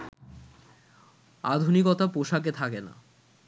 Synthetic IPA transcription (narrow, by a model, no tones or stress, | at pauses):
ad̪ʱunikɔt̪apoʃak̬et̪ʰakena̰